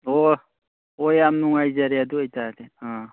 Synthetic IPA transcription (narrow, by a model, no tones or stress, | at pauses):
o | ojamnuŋajzaɾeaduajtadea